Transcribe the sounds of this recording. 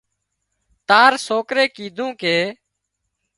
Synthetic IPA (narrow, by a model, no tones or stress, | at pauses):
t̪aːɾsoːkɾeːkiːd̪ʱũːkeː